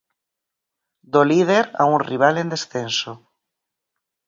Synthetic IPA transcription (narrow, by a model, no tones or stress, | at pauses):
d̪olið̞eɾa̰unriβ̞alẽnd̪esθenso